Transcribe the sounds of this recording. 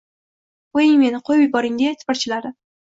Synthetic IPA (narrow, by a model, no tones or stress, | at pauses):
ojɪŋme̞nɪqʰojbɪbɒɾɪŋd̪et̪ʰɪ̥paɾt͡ʃʰɪlaɾɪ